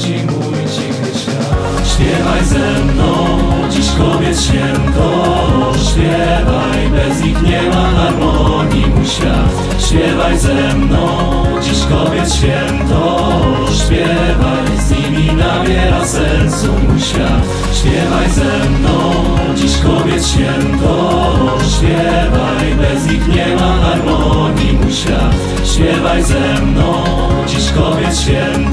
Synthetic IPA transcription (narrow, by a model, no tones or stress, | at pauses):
t͡ʃimujt͡ʃiku | ʃpʲjɛvajsɛmd̪õd͡ʑiʃkɔvjɛt̪ʃfʲjɛ̃nt̪oʃpʲjɛ | vajpɛzĩk̪ɲɛmanaɾmɔɲimuʃa̰ | ʃpʲjɛvajsɛ | d̪õ | d͡ʑiʃkɔvjɛt̪ʃfʲjɛ̃nt̪o | ʃpjɛ | vajzɲimʲinabʲjɛɾasɛnsumuɕ | a̰ | ɕpʲjɛvajzɛmnɔ̃w̃ | d͡ʑiɕkɔbʲjɛt̪ɕfʲjɛnt̪ɔ | ɕpʲjɛ | vajmɛzɲixɲɛmad̪aɾmɔɡʲimuɕa̰ | ɕpʲjɛvajzɛ | mnɔ̃w̃ | d͡ʑiɕkɔbʲjɛt̪ɕfʲjɛnt̪